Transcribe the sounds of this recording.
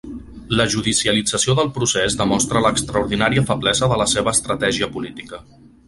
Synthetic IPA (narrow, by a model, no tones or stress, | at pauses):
ləʒuðisiəlid͡zəsioðəlˠpɾusezðəmɔst̪ɾələkst̪ɾəuɾðinaɾiəfəblɛzəðələseβəːst̪ɾət̪ɛʒiəpulit̪ikə